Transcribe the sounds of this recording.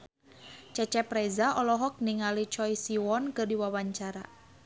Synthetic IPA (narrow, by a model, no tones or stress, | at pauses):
t͡ʃɛt͡ʃɛpɾɛzaʔɔlɔɦɔk̚niŋalit͡ʃɔjsiwɔnkɨrdiwawaɲt͡ʃaɾa̰